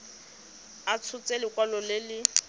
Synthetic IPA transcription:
at͡sʰʊt͡sʼelɪkʼwalɔlɪlɪ

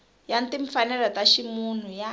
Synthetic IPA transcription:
jantiɱfanɛlɔtaʃimun̤uja

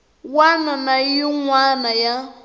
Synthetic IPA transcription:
wananajɔŋwanaja

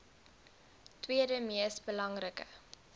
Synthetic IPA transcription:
twiədəmiəsbəlɐŋrəkə

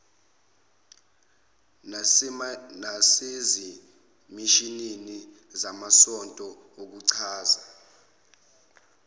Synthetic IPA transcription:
nasezi | miʃinini | zamasɔntʼɔ | ok̬uǀʰaːza

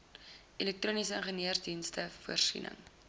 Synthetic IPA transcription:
ʔelɛk̚tɾoːnisəənχəniərdinstəfuərsḭnʔə̰ŋ

